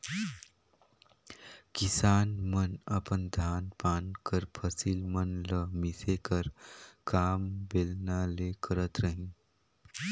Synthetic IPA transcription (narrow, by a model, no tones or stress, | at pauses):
kisaːnmənəpənd̪ʱaːnpaːnkəɾpʰəsilmənləmisekəɾkaːmbelnalekəɾət̪ɾəɦĩ